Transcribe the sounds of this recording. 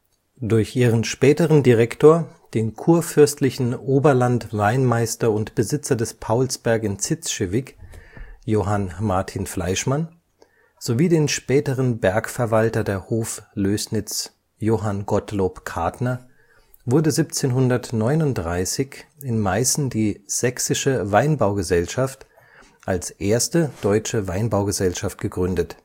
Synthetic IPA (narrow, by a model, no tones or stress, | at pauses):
d̥ʊɐçʔiːʁənʃpɛːtəʁəndiʁɛktʰoːɐ | d̥eːnkʰuːɐfʏɐstʰlɪçn̩ʔoːbɐlantvaɪnmaɪstɐʊntb̥əzɪt͡sɐdɛspʰaʊlsb̥ɛɐkɪnt͡sɪt͡sʃevɪk | joːɦanmaɐtʰiːnfla̰ɪʃman | z̥oviːdeːnʃpɛːtəʁənbɛɐkfɛɐvaltɐdeːɐhoːfløːsnɪt͡s | joːɦanɡɔtloːpkʰaɐtnɐ | vʊɐdəzipt͡seːnɦʊndɐtnɔʏnʊntd̥ʁaɪsɪçɪnmaɪsn̩diːz̥ɛksɪʃəvaɪnbaʊɡəzɛlʃaft | ʔalsʔeːɐstəd̥ɔʏt͡ʃəvaɪnbaʊɡəzɛlʃaft̚ɡ̥əɡʁʏndət